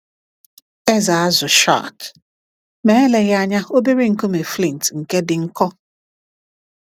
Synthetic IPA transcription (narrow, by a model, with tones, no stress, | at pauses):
e˦za˨a˦zʊ˨ʃa̰˦˨t | me˨˦e˦le˨ɣa˦ɲa˦o˦bi˦ɾi˦ŋ̩˨ko˦me˨fli˦˨n˨tŋ̩˨ke˦dɪ˨ŋ̩˦kɔ˦